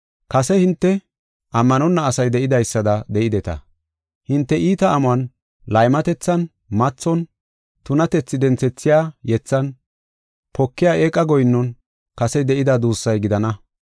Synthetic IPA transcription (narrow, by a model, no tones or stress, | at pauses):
kɐsɛhɪnt̪ːɛ | ɐmːɐnɔnːɐːsɐjd̪ɛʔɪd̪ɐjsːɐd̪ɐd̪ɛʔɪd̪ɛt̪ɐ̰ | hɪnt̪ːɛʔiːt̪ɐʔːmʊɐn | lɐjmɐt̪ɛt͡sːɐn | mɐt͡sːɔn | t̪ʊnɐt̪ɛt͡sːɪd̪ɛnt͡sɛt͡sːɪjaːjɛt͡sːɐn | pʰɔkːɪjaːʔeːkʼːɐɡɔjnːɔn | kɐsɛd̪ɛʔɪd̪ad̪uːsːɐjɡɪd̪ɐnɐ